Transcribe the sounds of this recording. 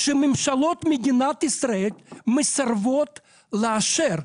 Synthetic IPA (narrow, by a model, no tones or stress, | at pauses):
ʃememʃalo̞t̪med̪inat̪israelʲmesarvo̞t̪ | leaʃeɾ